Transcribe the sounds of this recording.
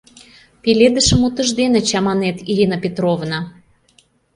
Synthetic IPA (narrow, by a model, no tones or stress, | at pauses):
pelʲed̪əʃə̆mut̪ə̆ʒd̪enə̆t͡ɕɑmɑnet̪iɾʲinəpʲet̪ɾovna